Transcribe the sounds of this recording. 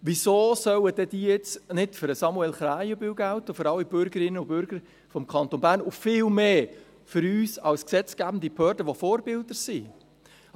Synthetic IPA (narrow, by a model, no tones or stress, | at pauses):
ʋisoːsœwəd̥ɛd̥̪iːjɪt͡snɪtfʏɾəsɑmuɛlχɾæːɪjəbɪwɡæʊtəfɨɾɑlːib̥ʏɾɡ̥əɾɪnːəʊbʏɾɡ̥əɾ | fɔmkʰɑnt̪onbæːɾnʊfɪːlmeː | fʏɾyːsɑlsksɛt͡sɡ̥æbn̩d̪ibhœːɾd̥əʋofoːɾbɪldəɾsiː